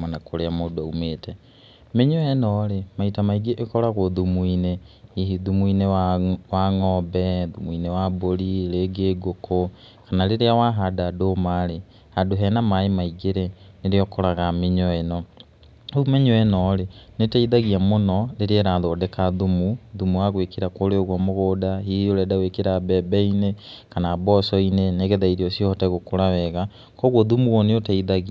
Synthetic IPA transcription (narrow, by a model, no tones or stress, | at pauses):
manakʰoɾeamodaumeːtʰɛ | meɲɔɛnɔːɾemaitamaiɡeʔekɔɾaɣoðumwineiɦiðumuineawaŋɔːbɛðumuinewaboɾiɾeɡeːɡokʰo | kanaleɾeawaɦadadoːmaɾe | hadoɦɛnamaemaiɡeɾe | neɾeɔkoɾaɣameɲɔenɔ | oumeɲɔenɔɾenetaiðaɣiamonɔleɾeɾaðoːdɛkaðumuðumuaɣwekeɾakoːɾeoɣwɔmoɣoːdaɦioɾɛdaɣwekeɾabɛbɛinekanaːbɔsɔineneɣeðaiɾiɔsiɔhɔtaɣokoɾawɛɣa | kɔɣwɔðumuwɔneotaiðaɣia